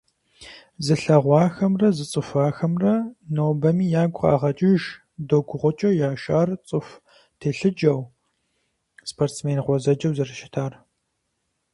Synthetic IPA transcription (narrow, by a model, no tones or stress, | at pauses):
zɨɬɐʁʷɑːxɐmrɐzɨt͡sʼɨfaːxɐmrɐnoːbɐmiːjaːɡʷʼχa̰ːʁɐt͡ʃʼɪʒ | doɡʷʊʁʷʊt͡ʃʼɐwjaːʃaːrt͡sʼɨf | tʰeːɬɨd͡ʒɐw | spʰoːrtsmeːnqʷɔzɐd͡ʒɐwzɐrɨʃɪ̥tʰaːr